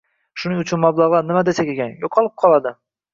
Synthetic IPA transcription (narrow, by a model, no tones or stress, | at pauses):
ʃʊnɪŋʊt͡ʃʰʊnmablˠaʁlˠanɪmad̪esakʲeɡʲanjoqʰɒlˠɪp̚qʰɒlˠad̪ɪ